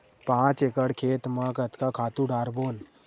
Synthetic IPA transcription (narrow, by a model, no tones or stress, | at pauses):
pãːt͡ʃekəɽkʰeːt̪məkət̪kakʰaːt̪ũɖaːɾboːn